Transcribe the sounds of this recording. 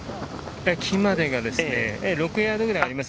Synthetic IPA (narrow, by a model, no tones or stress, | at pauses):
ekʰimad̪eɡad̪esɯneeɾok͈ɯead̪ɯɡɯneaɾimas